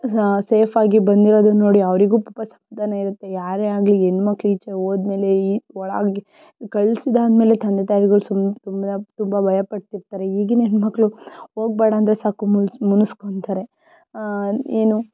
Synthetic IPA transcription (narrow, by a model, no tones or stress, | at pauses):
seːpʰaːɡibɐnd̪iɾoːd̪uno̞ːɽiɐʋɾiɡuːpupɐsɐ̥mʋad̪aːnɐiɾut̪ːe̞jaːɾeaːɡlienːmɐkːɭuit͡ʃeoːd̪me̞ːle̞iɔɭa̰ɡe | kɐɭsid̪aːd̪meːle̞t̪ʰɐnd̪et̪aːjɾiɡɐɭusut̪umbɐt̪umbɐbʱɐjɐpɐɽt̪iɾt̪aːɾe̞iːɡinenmɐkːɭuɦo̞ːɡ̚beːɽaːnd̪ɾesaːkumumunuskoɳt̪aːɾe̞ | eːnu